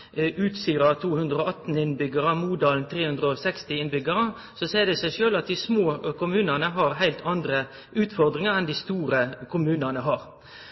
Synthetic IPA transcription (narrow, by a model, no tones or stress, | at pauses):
ʉːt̪st̪yːɾɑt̪ʰuːhʉnd̪ɾəoːɑt̪ːn̩ɪnbʏɡəʁəmuːd̪ɑːln̩t̪ʰʁeːhʉnd̪ɾəɔsɛkst̪ɪɪnbʏɡəɾə | sɔsæɪd̪ɛsæɪʃøːlɑt̪̚d̪ɪsmoːkʰʊmʉːnənəɦɑʁɦæɪlt̪ʰɑnd̪ɾə | ʉːt̪fɔʁd̪ʁɪŋəɾɛnd̪ɪst̪uːɾəkʰʊmʉːnənəɦɑːɾ